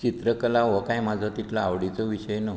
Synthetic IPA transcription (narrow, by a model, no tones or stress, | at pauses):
t͡ɕit̪ɾəkəlaʋəkajmad͡zʱat̪it̪laaʋɽit͡soʋiɕəjno